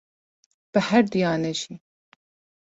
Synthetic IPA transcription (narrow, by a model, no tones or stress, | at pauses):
b̥ɨhæɾd̪ijɑːnɛʒi